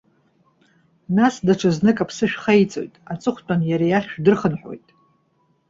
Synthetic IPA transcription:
nasdaʈ͡ʂʰɨznɨkʼapʰsɨʃᶣχajt͡sʼo̞̰jtʼat͡sʼɨχʷtʼanjaɾejaχʲʃᶣdɨrχənħʷᶣo̞̰jtʼ

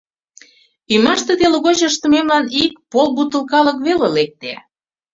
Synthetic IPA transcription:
ymɑʃt̪ĕt̪eləɣot͡ɕəʃt̪ə̆memlɑnikpolbut̪ə̆lkɑlə̆kβelelek̚t̪e

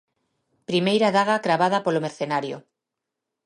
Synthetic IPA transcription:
pɾimejɾaðaɣakɾaβað̞apolomeɾθenaɾjo̰

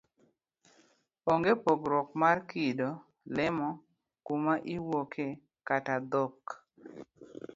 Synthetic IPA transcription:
oŋɡepɔɡɾɔkmarkido | lɪmɔ | kumaʔiwokʰe | katad̪ɔk

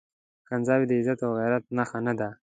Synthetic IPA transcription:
kanzɑːwid̪əɪzat̪awɣajɾat̪̚naxanad̪a

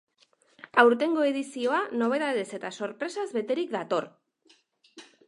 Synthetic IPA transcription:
awɾt̪e̞ŋɡo̞e̞ðisio̞ano̞β̞e̞ðaðe̞se̞t̪aso̞ɾpɾe̞sazβe̞t̪e̞ɾikd̪at̪o̞r

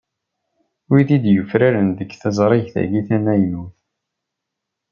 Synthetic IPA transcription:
wiðid̪jəfɾaɾənd̪əɡθæzˤɾˤeʝθæ̰ɡiθænæjnuθ

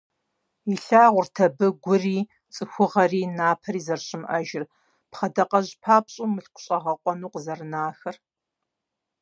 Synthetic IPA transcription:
iɬaːʁʷʊrtʰɐbɨɡʷʊriː | t͡sʼɨxʷʊʁɐriːnaːpʰɐɾiːzɐrɕʼɪmʔɐʒɪr | pχɐdɐqɐʑpʰaːpɕʼuːmɨɬqʷʊ̥ɕʼɐʁɐqʷʼɔnuːqzɐrɨnaːxɐr

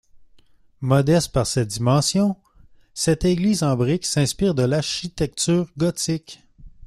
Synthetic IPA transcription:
mɔd̪ɛst̪̚paʁsɛt̪̚d̪imɑ̃ːsjɔ̃ | sɛt̪eɡliːzɑ̃bʁɪksɛ̃spiːʁd̪əlaʁʃit̪ɛk̚t̪yːʁɡɔt̪ɪk

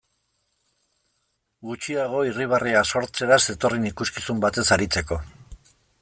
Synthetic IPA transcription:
ɡut͡ʃiaɣ̞o̞iriβ̞ariaso̞ɾt͡se̞ɾaze̞t̪o̞rinikuskisumbat̪e̞saɾit͡se̞ko̞

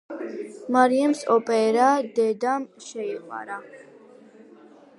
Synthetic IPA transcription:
maɾiɛmsɔpʼɛɾad̪ɛd̪amʃɛima̰ɾa

